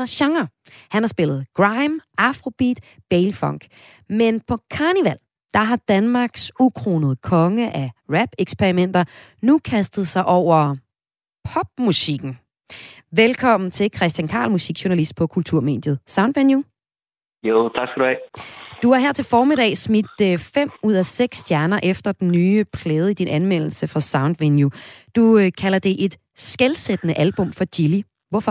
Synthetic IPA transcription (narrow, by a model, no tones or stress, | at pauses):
ɐɕɑ̈ŋɐ | hænhɑ̈sb̥e̝lð̞̩ˠɡ̥ʁɑ̈ɪmʔɑfʁob̥ḭd̥ | b̥eɪlfɒ̽ŋɡ̥ | menpʰɒ̽kʰɑ̈ːniʋæl̰ | d̥ɑ̈ɦɑ̈d̥ænmɑ̈ːɡ̥sukʰʁo̝ːnəð̞̩ˠkʰɒ̽ŋəʔæʁæb̥eɡ̥spʰeʁimen̰d̥ɐ | nukʰæsd̥ð̩ˠsɑ̈ɪʔɒʊ̰ɐ | pʰɒ̽b̥̚musiɡ̥n̩ | ʋelkʰɒ̽m̰n̩t͡sʰe̝lkʰʁɛsd̥jænkʰɑ̰̈ːlmusiɡ̥ɕuɐnælisd̥̚pʰɒ̽kʰult͡sʰuɐ̰me̝̰ːd̥jð̞̩ˠsɑ̈ʊnd̥ʋenju | jot͡sʰɑ̈ɡ̥sɡ̥æduhɛ̰d̥uæɐɦeɐ̰t͡sʰe̝lfɒːmid̥ɛ̰ːsmid̥fem̰uð̞̰ˠæseɡ̥sːd̥jæɐnɐʔefd̥ɐd̥enːyːpʰlɛːð̞̩ˠəid̥inʔænmel̰l̩səfʁɑ̈sɑ̈ʊnd̥ʋenjud̥ukʰælɐd̥e̝ʔe̝d̥ | sɡ̥elsed̥ənəʔælb̥ɔ̽mfɒ̽d̥ili | ʋɔfɒ